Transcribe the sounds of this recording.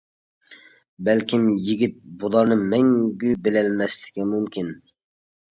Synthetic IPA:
bɛlkʲʰimjiɡʲit̪̚bulˠɑɾnɨmɛŋɡʲybɪlɛlmɛslɪ̥kʲimumkʲʰin

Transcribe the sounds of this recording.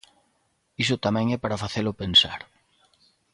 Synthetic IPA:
isʊt̪amɛ̃ŋɛpaɾafaθelʊpensa̰ɾ

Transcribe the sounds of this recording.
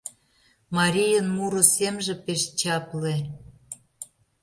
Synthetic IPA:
mɑɾʲijənmuɾŏsemʒĕpeʃt͡ɕɑple

